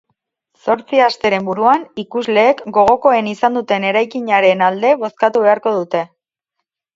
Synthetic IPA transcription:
so̞ɾt͡siast̪e̞ɾe̞mbuɾuanikuzle̞ːkɡo̞ɣ̞o̞ko̞e̞nisand̪ut̪e̞ne̞ɾajkiɲaɾe̞nald̪e̞βo̞skat̪uβe̞aɾko̞ðut̪e̞

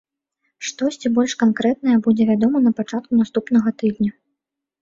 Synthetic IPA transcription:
ʂt̪ɔɕʲt͡sʲibɔlʲʂkankɾɛt̪̚nɐjɐbud͡zʲɛvʲad̪ɔmɐnɐpat͡ʂat̪̚kunast̪upnɐɣɐt̪ɨd̪nʲɐ

